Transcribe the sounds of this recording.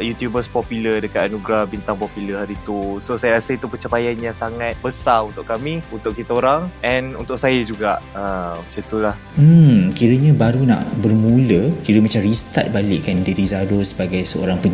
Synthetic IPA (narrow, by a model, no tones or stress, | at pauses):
ʔjut̪jubəspɔpulədəkat̪anũɡɾabint̪aŋpɔpuləhaɾiːt̪usosajaɾasəit̪upət͡ʃəpajanjaŋsaŋat̪̚bəsaunt̪ʊʔkamĩunt̪ʊʔkit̪aoɾaŋʔɛnṵnt̪ʊʔsajəd͡ʒuɡaʔəmsit̪ulah | m̩kiɾəɲãbaɾunã̰ʔbərmũləkiɾəmat͡ʃamrist̪a̰t̪̚balɪʔkandiɾizaɾosəbaɡajsəo̰ɾaŋpə